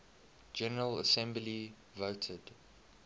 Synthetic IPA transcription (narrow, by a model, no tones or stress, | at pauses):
d͡ʒɛnəɹələ̰sɛ̃mbli | voʊtʰəd̥